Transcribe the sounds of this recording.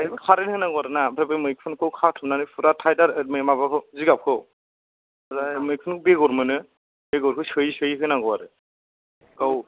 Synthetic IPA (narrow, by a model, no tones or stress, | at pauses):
ajbɯkʰaɾenhɯnaɡwaɾɯnabʰɾebɯjmɯjk̚pʰɯnkʰɯwkʰatʰɯmnanɯpʰuɾatʰajdaɾɯt̚mɯjmaβakʰɯwziɡap̚kʰɯw | azamɯk̚pʰɯnkʰɯbeɡɔɾmɯnɯ | beɡɔɾkʰɯsɯjsɯjɦɯnaɡɔwaɾɯ | ɡ̥aw